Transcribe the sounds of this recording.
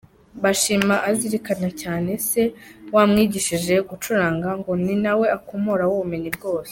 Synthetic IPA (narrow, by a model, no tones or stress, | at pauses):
βaʃiːmaʔaziɾikanacaːne̞se̞wamŋiːɟiʃiʒe̞ɡut͡ʃuɾaːŋɡaŋɡo̞ninawe̞akomoɾawuβuminibɡo̞ːse̥